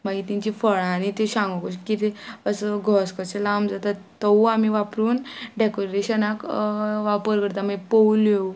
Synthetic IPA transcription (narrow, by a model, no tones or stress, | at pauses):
maɡit̪ĩɲt͡ɕifəɭãnit̪eɕãŋɡɔkoɕkit̪eəsəɡʱɔskɔselamd͡zat̪a | t̪əamiʋapɾuːnɖekoɾeɕənakʋapəɾkəɾt̪amapəwlje